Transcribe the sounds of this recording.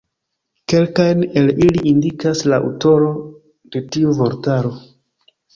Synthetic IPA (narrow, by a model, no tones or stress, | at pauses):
ke̞lkajne̞liliːndikaslaʔṵto̞ɾo̞ | d̥e̞tiuvo̞ɾtaɾo̞